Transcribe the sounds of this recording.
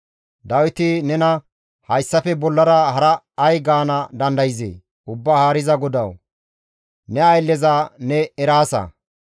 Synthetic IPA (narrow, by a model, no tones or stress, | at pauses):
d̪ɐwɪt̪ɪnɛnɐ | hɐjsːɐfɛbɔlːɐɾɐhɐɾɐː | jɡaːnɐd̪ɐnd̪ɐjɪzḛː | ʊbːaːhaːɾɪzɐɡɔd̪ɐw | nɛɐjlːɛzanɛɛɾaːsɐ̰